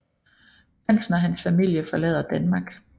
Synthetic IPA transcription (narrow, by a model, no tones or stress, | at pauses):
fan̰sn̩ɒɦænsfæmil̰jəfɒ̽lɛð̰ˠɐd̥ænmɑ̈ːɡ̥